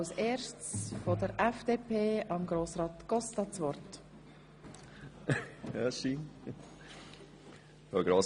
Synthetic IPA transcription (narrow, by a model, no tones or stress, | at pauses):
seːɾʃt͡sfɔdəɾɛfd̪̥eːpʰeːɑmɡɾoːsɾɑːt̪ɡ̥ɔstɑt͡sʋɔɾt | aʃin | fɔɡɾoːs